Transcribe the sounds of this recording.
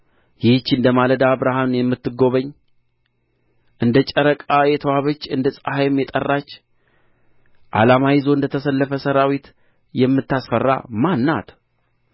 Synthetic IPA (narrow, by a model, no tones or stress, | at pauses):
jɪht͡ʃːɨnd̪əmaləd̪aβɾahamjɛmːɨt̪ːɨɡo̞βəɲː | ʔɨnd̪ət͡ʃʼəɾəkʼajɛt̪ʰəwaβət͡ʃːɨnd̪əsʼahajmjɛt̪ʼərːat͡ʃː | ʔa̰lamajizoɨnd̪ət̪ʰəsəlːəfəsəɾawit̪ | jɛmːɨt̪ːasfərːa̰manːa̰t̪